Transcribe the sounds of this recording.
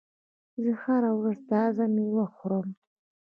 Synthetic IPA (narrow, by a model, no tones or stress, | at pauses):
zɨxaɾawrɨst̪azamiwaχʷɾom